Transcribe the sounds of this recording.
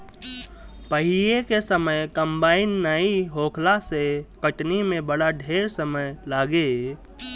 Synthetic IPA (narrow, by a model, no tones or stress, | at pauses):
pəɦijekesəməjkəmbaːɪinːəiɦoːkʰlasekəʈnimẽbəɽaɖʱeːɾsəməjlaːɡe